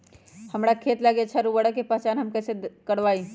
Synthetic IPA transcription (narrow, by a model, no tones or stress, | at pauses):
həmɾakʰet̪ləɡet͡ʃʰɛɾubəɽkepəɦt͡ʃanɦəmkɛsekəɽʋai